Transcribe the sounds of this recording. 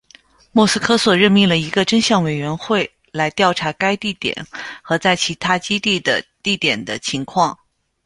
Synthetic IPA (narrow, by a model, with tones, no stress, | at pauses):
mwɔ˥˧˩s̩˥kʰɤ˥swɔ˨˩ɻə˥˧nmi˥˩ŋlə˩i˧˥ɡə˧ʈ͡ʂə˥nɕjɑ˥˩ŋwe˨˩ɪɥɛ˧˥nxwe˥˩ɪ | la˧˥ɪt̪jɑ˥˩ʊʈ͡ʂʰa˧˥ka˥ɪt̪i˥˩t̪jɛ̰˨˩˦nxɤ˧˥t͡sa˥˩ɪt͡ɕʰi˧˥t̪ʰa˥t͡ɕi˥t̪i˥˩d̪ə˩t̪i˥˩t̪jɛ˨˩nd̪ə˦t͡ɕʰi˧˥ŋkʰwɑ˥˩ŋ